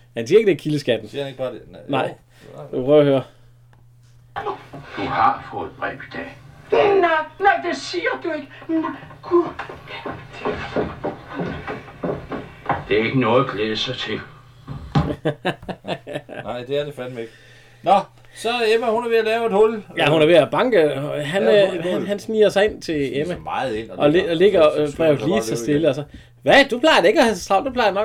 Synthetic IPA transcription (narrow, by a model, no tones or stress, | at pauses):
hænsḭɐeɡ̥əd̥e̝æɐkʰiləsɡ̥æd̥n̩siɐhæneɡ̥əb̥ɑ̈ːdenɑ̈ɪ | pʰœ̰høːɐ | d̥uhɑ̈fɔːð̩ˠb̥ʁɛ̰b̥id̥ɛ̰ːnɪnɑɪd̥e̝siːɐd̥ue̝ɡ̥əkʰu | d̥ | d̥e̝æɐe̝ɡ̥ənɔ̽ːð̩ˠɡ̥leðˠəsɑ̈ɪt͡sʰe̝l | nɑɪ̰d̥e̝æɐd̥efænmeɡ̥ | nɒ | sɒemæhunæɐʋe̝ælɛːʊe̝d̥hɔljæhunæɐʋe̝æb̥ɑ̈ŋɡ̥əɒɦænhænɦænsmḭːɐsɑ̈ɪe̝n̰t͡sʰe̝emæmɑ̈ːð̩ˠen̰ɒ̽ele̝ɡ̥ɐb̥ʁɛʊd̥liːsʰɑsd̥e̝ləɒsɒ̽ | ʋæd̥upʰlɑ̈ɪɐdee̝ɡ̥æhæsʁɑ̈ʊ̰d̥upʰlɑ̈ɪɐd̥enɒ̽